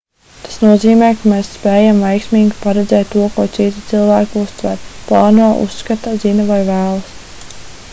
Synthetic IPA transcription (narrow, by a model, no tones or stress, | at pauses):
t̪ḁsnuɔziːmɛːkameːsspeːjamvɛjksmiːɡʲipaɾɛd̪zɛːt̪ːuɔkuɔt̪sit̪i̥t̪silˠvæːkust̪væ̰ɾplˠɑːnuɔʔṵsːkat̪azinavajvæːlˠas